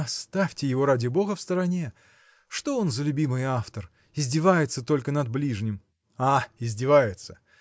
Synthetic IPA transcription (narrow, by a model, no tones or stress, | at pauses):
ɐst̪afʲtʲɪjɪvo̞ɾadʲɪbo̞ɣəfst̪əɾɐnʲe̞ | ʂt̪o̞o̞nzəlʲʉbʲimɨjaft̪ər | ɪzʲdʲɪvajɪt̪sət̪o̞lʲkənɐd̪̚blʲiʐnʲɪm | aɪzʲdʲɪvajɪt̪sə̥